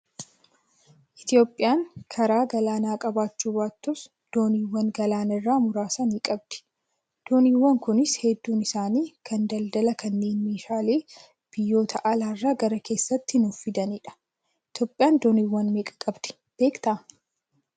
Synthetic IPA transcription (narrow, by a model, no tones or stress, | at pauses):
ʔɪt̪ɪjo̞ːpʼːɪjaːŋkʰɐɾaːɡɐlaːnaːkʼɐbaːt͡ʃːuːbaːt̪ːʊs | d̪̥o̞ːniːwːɐŋɡɐlaːnɐrːaːmʊɾaːsɐniːkʼɐb̚d̪̥ɪ̥ | d̪̥o̞ːniːwːɐŋkʊnɪshɛd̪ːuːnɪsaːniːkʰɐnd̪ɐld̪ɐlɐkʰɐnːe̞ːnmeːʃaːleː | b̥ɪjːo̞ːt̪ʰɐʔɐlaːrːaːɡɐɾɐke̞ːsːɐt̪ːɪnʊfɪd̪ɐniːᶑɐ̥ | ɪt̪jo̞ːpʼɪjaːnd̪o̞ːniːwːɐnmeːkʼɐ̥kʼɐbd̪ɪ̥ | b̥eːkt̪ɐ